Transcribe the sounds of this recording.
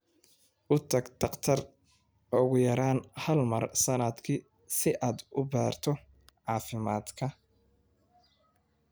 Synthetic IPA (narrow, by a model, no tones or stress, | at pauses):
ʔʊt̪ʰɐɡd̪ʰɐqt̪ʰɐr | ʊɣʊjɐɾaːnhɐlmɐrsɐnɐd̪kʰi | sɪʔaːd̪ʊbaːrt̪ʰɔ | ʕɑːfɪma̰ːd̪kʰɐ